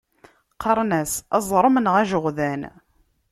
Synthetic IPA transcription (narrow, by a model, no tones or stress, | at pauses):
qɑɾˤnæsɑzˤɾˤəmənʁæʒəʁðæn